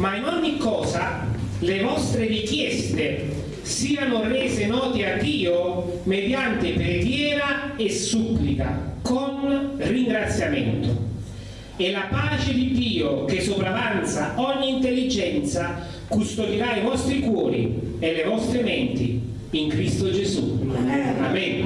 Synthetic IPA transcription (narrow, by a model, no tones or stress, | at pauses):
mainɔɲːikːɔːza | levɔst̪ɾerik̟jɛst̪e | siːanorɛːzenɔːt̪ead̪ːiːo | med̪jant̪epɾeɡjɛːɾaesupːlik̪akonriŋɡɾat̪sːjamɛnt̪o̰ | elapaːt͡ʃed̪id̪iːok̟esːopɾavant̪saɔɲːiːnt̪elːid͡ʒɛnt̪sa | kust̪od̪iɾaivɔst̪ɾikwɔːɾḭelevɔst̪ɾemɛnt̪i | iŋkɾist̪od͡ʒezṵ | amɛn